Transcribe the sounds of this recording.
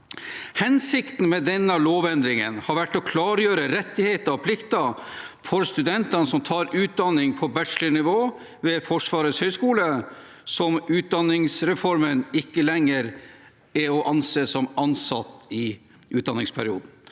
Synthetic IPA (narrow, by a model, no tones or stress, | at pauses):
hɛnsɪkt̪n̩mɛd̪ɛnːəɑloːʋɛnd̪ɾɪŋə̰nhɑɾʋæʈːɔkʰlɑːɾjøːɾəɾɛt̪ːɪheːt̪əɔpʰlɪkt̪əfɔɾst̪ʉd̪ɛnt̪ɑnəsɔmt̪ʰɑːɾʉːt̪̚d̪ɑnːɪŋpʰɔbæʈʂlənɪʋoː | ʋɛfɔʂʋɑːɾəshœʏskuːlə | sɔmʉːt̪̚d̪ɑnːɪŋsɾɛfɔɾmənɪkːəlɛŋːəɾ | ɛɔʔɑnseːsɔmɑnsɑ̰t̪ːɪ | ʔʉːt̪d̪ɑnɪŋspʰæ̰ɾɪṵːd̪n̩